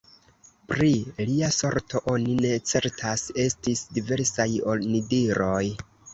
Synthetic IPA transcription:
pɾiliaso̞ɾtʰo̞ʔo̞nine̞t͡se̞ɾtʰase̞stisdive̞ɾsajo̞lnidiɾo̞j

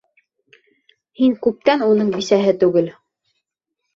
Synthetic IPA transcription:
hiŋkʉp̚t̪ænunɤɴbisæɦɘt̪ʉɡɘl

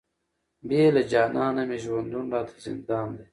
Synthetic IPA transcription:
beːlɐd͡ʑaːnaːnɐmiʑuwɐnd̪unɖaːt̪ʰe̥zḭnd̪aːmd̪e

